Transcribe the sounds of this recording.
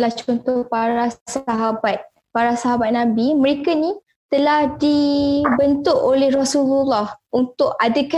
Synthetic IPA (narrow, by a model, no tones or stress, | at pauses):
laht͡ʃɔnt̪ɔhpaɾasaɦabat̪̚ | paɾasaɦabat̪̚nãbiməɾekanĩ | t̪əlahdibənt̪ʊʔolɛhrasululːahunt̪ʊʔadaka